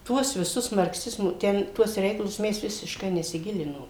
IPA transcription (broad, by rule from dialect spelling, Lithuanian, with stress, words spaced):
ˈtuɔs ʋʲɪˈsʊs mɐrkˈsʲɪzmoː ˈtʲɛn ˈtuɔs ˈrʲɛɪkɐlˠʊs ˈmʲɛs ʋʲɪsʲɪʃˈkɐɪ nʲɛsʲɪˈɡʲɪlʲɪnoːm